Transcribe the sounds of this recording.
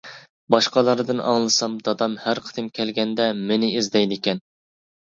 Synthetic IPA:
bɑʃqɑlˠɑɾd̪ɨnʔɑ̰ŋlˠɨsɑmd̪ɑd̪ɑmhæɾqʰə̥d̪ɨmkʲʰɛlɡʲɛnd̪ɛmɪnɪizd̪ɛjd̪ɪkʲɛn

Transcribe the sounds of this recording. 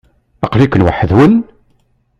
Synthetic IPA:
ɑqlikːənwaħəðwən

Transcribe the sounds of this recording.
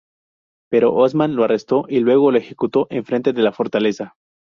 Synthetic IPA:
pe̞ɾo̞̰ʔozmanlo̞are̞st̪o̞ʔilwe̞ɣ̞o̞loexe̞kut̪o̞ʔe̞ɱfɾe̞nt̪eðe̞lafo̞ɾt̪ale̞sa

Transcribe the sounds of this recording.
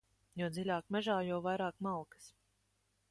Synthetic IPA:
juɔd̪zilʲaːkmɛʒaːjawvajɾaːkmalˠkɨ̥s

